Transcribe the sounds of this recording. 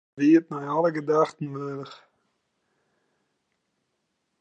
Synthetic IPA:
viətnajaləɡədaχtn̩møːləχ

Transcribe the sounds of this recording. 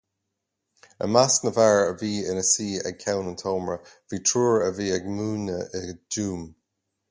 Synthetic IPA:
ə̰masnəvaɹəviːɪnəsiːɛ̰ɡ̚kʰɛwnəntʰoːmɹə | v̥iːtʰɹuːɹəviːɛɡmuːnəɪɡduːm

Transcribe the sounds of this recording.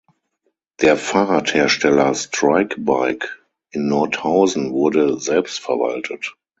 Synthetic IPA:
d̥eːɐfaːʁatheːɐʃtɛlɐstʁaɪkbaɪk | ʔɪnːɔɐthaʊzn̩vʊɐdəzɛlpstfɛɐva̰ltʰət

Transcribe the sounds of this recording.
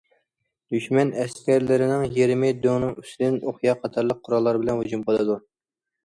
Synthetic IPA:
d̪̥yʃmɛnɛskʲʰɛɾlɪɾɪnɪŋjeɾmɪd̪øŋnɨŋysɪd̪ɪnʔoχjɑqʰɑt̪ʰɑɾlˠəq̚qʰːʊɾɑlˠːɑɾbɪlɛnhud͡ʒumqʰəd̪ˠɨd̪u

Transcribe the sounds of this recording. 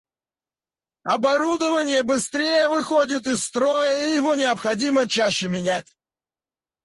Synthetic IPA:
ɐbɐɾud̪əvənʲɪjəbɨst̪ɾʲejəvɨxodʲɪt̪ɪsːt̪ɾojəijɪvonʲɪəpxɐdʲimət͡ɕæɕːɪmʲɪnʲætʲ

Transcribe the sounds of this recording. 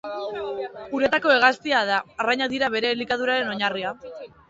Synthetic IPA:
uɾe̞t̪ako̞e̞ɣ̞ast̪iaðaraɲaðiɾaβe̞ɾe̞likað̞uɾaɾe̞no̞ɲaria

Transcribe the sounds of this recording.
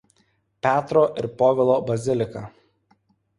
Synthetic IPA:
pʲæːt̪ɾoːʔɪ̰ɾpoːʋʲɪlˠoːbɐzʲɪlʲɪkɐ

